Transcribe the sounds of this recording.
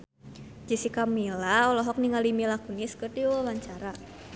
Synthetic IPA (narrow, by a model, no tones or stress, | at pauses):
d͡ʒisikamilaɔlɔɦɔk̚niŋalimilakuniskərd̪iuwlaɲt͡ʃaɾa